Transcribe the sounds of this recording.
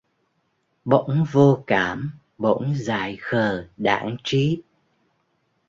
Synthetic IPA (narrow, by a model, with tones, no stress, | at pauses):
ɓo̰˧˥ŋ͡mvo˧kaː˧˩m | ɓo̰˧˥ŋ͡mzaː˨˩jxəː˨˩ɗa̰ː˧˩˦ŋt͡ɕi˨˦